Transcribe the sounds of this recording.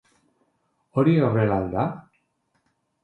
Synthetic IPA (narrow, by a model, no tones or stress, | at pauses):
oɾiorelald̪a